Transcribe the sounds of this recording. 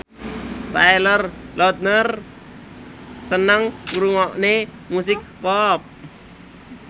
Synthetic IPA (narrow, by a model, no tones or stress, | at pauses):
t̪ajlərlʔɔt̪̚nər | sənəŋkuɾuŋɔʔne | musɪk̚pɔp̚